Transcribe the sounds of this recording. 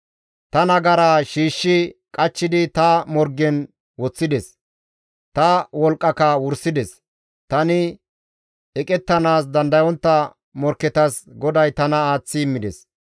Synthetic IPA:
t̪ɐnɐɡɐɾaːʃiːʃːɪkʼɐt͡ʃːɪd̪ɪt̪ɐmɔɾɡɛn | wɔt͡sːɪd̪ɛs | t̪ɐwɔlkʼːɐkɐwʊɾsɪd̪ɛs | t̪ɐnɪ | ɛkʼɛt̪ːɐnaːs̬d̪ɐnd̪ɐjɔnt̪ːɐ | mɔɾkːɛt̪ɐsɡɔd̪ɐjt̪ɐnɐaːt͡sːɪmːɪd̪ɛs

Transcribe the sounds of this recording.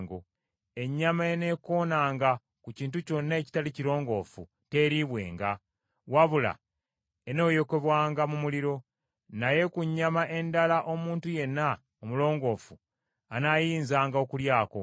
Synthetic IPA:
ŋɡo̰ | e̞ɲːamaene̞ko̞ːnaːŋɡa | kuciːntuco̞nːeci̥taliciɾo̞ːŋɡo̞ːfṵ | te̞ɾiβwe̞̰ːŋɡa | waβula̰ | e̞no̞ːjo̞ke̞βwaːŋɡamumuliɾo̞ | naje̞kuɲːamaʔe̞ndalaʔo̞muːntuje̞nːa | omulo̞ːŋɡo̞ːfu | anajiːnzaːŋɡao̞kuljaːko̞̰

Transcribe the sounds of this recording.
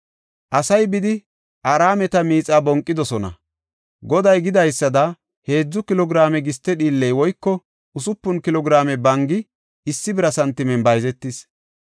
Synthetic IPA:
ʔɐsɐjbɪd̪ɪ | ʔaɾaːmɛt̪ɐmiːt͡sʼːaːbɔŋkʼːɪd̪ɔsɔnɐ̰ | ɡɔd̪ɐjɡɪd̪ɐjsːɐd̪ɐ | he̞ːd͡zːʊkɪlɔɡɾaːmɛɡɪst̪ːɛɗiːlːɛjwɔjkːɔ | ʊsʊpːʊnkɪlɔɡɪɾaːmɛbɐŋɡɪ | ɪsːɪbɪɾɐsɐnt̪ːɪmɛnbɐjzɛt̪ːɪs

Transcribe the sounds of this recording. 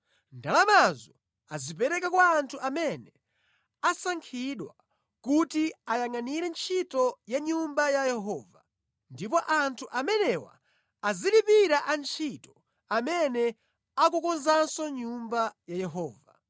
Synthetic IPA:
ndalamazɔ | azip̬ɛɾɛkakwaːntʰuʔamɛnɛ | asaŋkʰiɗwa | kutiajaŋaniɾɛnt͡ʃʰitɔjaɲumbajajɛɦɔːva | ndip̬ɔʔantʰuʔamɛnɛwa̰ː | zilipiɾaʔant͡ʃʰitɔ̥ | amɛnɛ | akukɔnzansɔɲumbajajɛɦɔːva

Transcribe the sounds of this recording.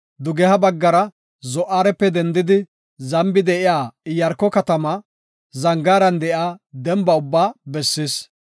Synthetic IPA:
d̪ʊɡɛhɐbɐɡːɐɾɐ | zɔʔːaːɾɛpːɛd̪ɛnd̪ɪd̪ɪ | zɐmbɪd̪ɛʔɪjaːɪjɐɾkːɔkɐt̪ɐmɐ | zɐŋɡaːɾɐnd̪ɛʔjaːd̪ɛmbɐʊbːaːbɛsːis

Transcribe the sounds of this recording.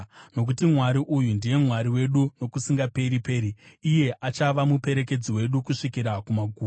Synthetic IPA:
no̞k̬utimwaɾiʔujundije̞mwaɾiwe̞ɗuno̞kusiŋɡape̞ɾipe̞ːɾiːje̞ʔat͡ʃaʋamupe̞ɾe̞ke̞d͡ziwe̞ɗukuʂikiɾakumaɡʱuː

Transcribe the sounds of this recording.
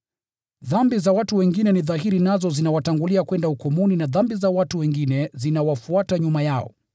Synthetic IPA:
ðambizawatuwɛŋɡinɛniðaɦiɾinazɔzinawataŋɡuliakwɛndaukɔmuninaðambizawatuwɛŋɡinɛzinawafuataɲumajaɔ̰

